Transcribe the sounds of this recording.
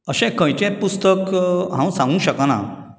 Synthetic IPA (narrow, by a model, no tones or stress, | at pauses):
əɕẽkə̃jt͡ɕẽpust̪əkɦãw̃sãŋɡũɕəkana̰